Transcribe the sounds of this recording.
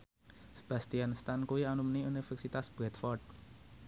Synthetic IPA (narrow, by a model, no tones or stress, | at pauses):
sə̥b̥ä̤st̪ianst̪ankuianumniunifɛrsit̪asb̥ɾɛt̪fɔrd̚